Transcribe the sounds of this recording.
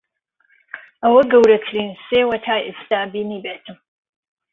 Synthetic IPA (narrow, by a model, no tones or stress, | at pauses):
awɐɡɐwɾɐkʰɾiːnseːwɐtʰaːjʔɨstabiːniːbetʰɨm